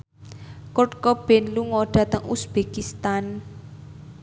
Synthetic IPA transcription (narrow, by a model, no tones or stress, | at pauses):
kʊʈkɔb̥enluŋɔɖ̥a̤t̪əŋusb̥ekist̪an